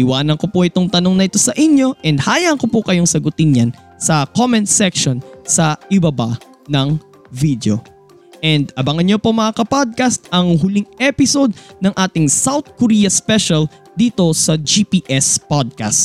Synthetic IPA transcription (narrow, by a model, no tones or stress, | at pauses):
ɪwaːnɐŋko̞poʔɪt̪o̞ŋt̪ɐno̞ŋnɐʔɪt̪o̞sɐʔɪnjo̞ʔɛnd̪̚haːjɐŋkopokɐjo̞ŋsɐɡʊt̪ɪnɲan | sɐkomɛnt̪̚sɛkʃonsɐʔɪbɐba | nɐŋ | vid̪jo̞̰ | ʔɛnd̪ɐbɐŋɐnɲopomɐakɐpod̪̚kɐst̪̚ʔɐŋɦʊliŋɛpɪso̞d̪̚nɐŋʔaːt̪ɪŋsawt̪̚koɾiːjɐspɛʃɐl | d̪iːt̪o̞sɐd͡ʒipiːʔɛspod̪̚ka̰st̪